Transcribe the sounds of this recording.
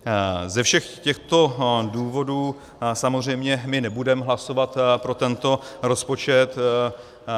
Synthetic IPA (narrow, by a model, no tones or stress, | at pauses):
zɛfʃɛxcɛxt̪o̞duːvo̞duː | samozr̝ɛjmɲɛmɪnɛbudɛmɦlaso̞vat̪pɾo̞t̪ɛnt̪o̞ɾo̞spo̞t͡ʃɛt̪